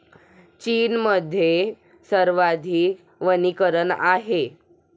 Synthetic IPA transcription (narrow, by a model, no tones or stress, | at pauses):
t͡ɕiːnməd̪ʱːje | səɾʋad̪ʱiː | ʋənikəɾəna̰ɦe